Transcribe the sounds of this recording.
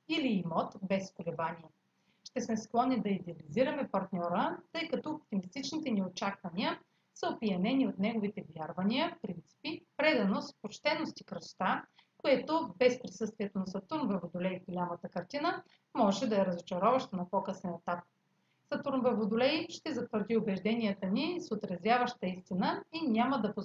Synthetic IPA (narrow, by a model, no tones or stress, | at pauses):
iliːmɔt̪bɛskolɛvaniɛ | ʃt̪ɛsmɛsklˠɔnːid̪ɐid̪ɛɐliziɾɐmɛpɐɾt̪nʲɔɾət̪ɤjkɐt̪ɔop̚t̪imist̪it͡ʃnit̪ɛniot͡ʃakvɐniə | səopijɐnɛniot̪nɛɡovit̪ɛvjaɾvɐniəfpɾint̪si̥pipɾɛd̪ɐnospot͡ʃt̪ɛnost̪ikɾəso̥t̪a | koɛt̪obɛspɾisɤst̪vʲiɛt̪onɐsɐt̪uɾnvɛvod̪ʊlɛjvɡolʲamət̪əkɐɾt̪inə | mɔʒɛd̪ɐɛɾɐzot͡ʃɐɾɔvɐʃt̪ənɐpɔkəsɛnɛt̪ap̚ | sɐt̪uɾnvɛvod̪ʊlɛjʃt̪ɛzɐt̪vəɾd̪iobɛʒd̪ɛniət̪ənisot̪ɾɐzvʲjavəʃt̪əist̪inəinʲaməd̪ɐpo